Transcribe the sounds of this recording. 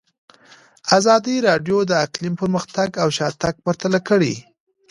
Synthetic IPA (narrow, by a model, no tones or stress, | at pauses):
azɑd̪iɾɑɖjod̪əaklimpəɾməxt̪aɡawʃɑt̪aɡ̚pəɾt̪alakəɽi